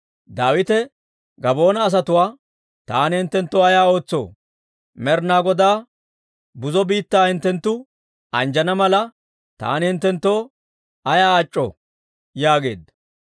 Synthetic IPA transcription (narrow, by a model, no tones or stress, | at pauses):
d̪aːwɪt̪ɛ | ɡɐbo̞ːnɐːs̬ɐt̪ʊwaː | t̪aːnɪhɪnt̪ːɛnt̪ːoːɐjaːo̞ːt͡sːo̰ː | mɛɾnaːɡɔd̪aː | bʊzɔbiːt̪ːaːhɪnt̪ːɛnt̪ːʊ | ɐnd͡ʒɐnɐmɐlɐ | t̪a̰ːnɪhɪnt̪ːɛnt̪ːoː | ɐjaːt͡ʃʼːɔ̰ | jaːɡe̞̰ːd̪ɐ